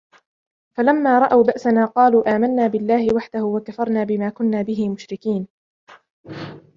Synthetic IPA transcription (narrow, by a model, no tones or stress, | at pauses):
falamːaːɾˤɑʔawbaʔsanaːqɑːluːʔaːmanːaːbɪlːaːhɪwaħd̪ahʊwakafɑɾˤnaːbɪmaːkʊnːaːbɪɦɪmʊʃɾɪkiːn